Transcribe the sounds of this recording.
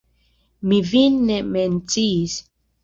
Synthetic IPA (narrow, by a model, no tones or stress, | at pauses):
mivinːement͡sis